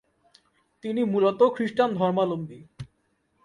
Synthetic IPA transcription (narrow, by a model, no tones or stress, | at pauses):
t̪inimulot̪okʰɾiʃʈand̪ʱɔɾmalombi